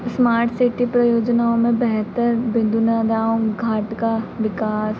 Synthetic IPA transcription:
smaːɾʈsɪʈipɾɐjoːd͡ʒnaːõmẽbɛɦt̪əɾbɪ̃nd̪ʱunaːd̪aːõɡʱaːʈkaʋɪkaːs

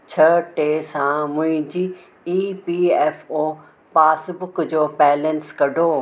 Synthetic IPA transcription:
t͡ɕʰɐʈeːsãmʊ̃ɦɪ̃d͡ʑiː | iːpieːfoː | paːsbʊkd͡ʑoːpɛːlə̃nskɐɖʱoː

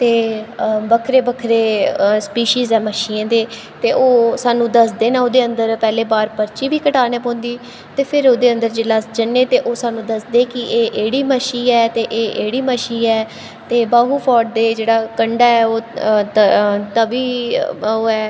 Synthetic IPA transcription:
t̪eːbəkʰɾeːbəkʰɾeːspiːʃiːzɛːməʃiːd̪eː | t̪eːʔoːsaːnũːd̪əsd̪eːnãːoːd̪eːənd̪əɾpɛːleːbaːɾpəɾt͡ʃiːʋiːkəʈaːneːpõːnd̪iː | t̪eːpʰɪɾoːd̪eːə̃nd̪əɾd͡ʒeːləsd͡ʒənẽːt̪eːʔoːsaːnũːd̪əsd̪eːkɪʔeːʔeːɽiːməʃiːɛːt̪eːʔeːʔeːɽiːməʃiːɛː | t̪eːbaːɦuːpʰɔːʈ̚d̪eːd͡ʒeːɽaːkəɳɖaːɛːoː | t̪əbiːoːɛː

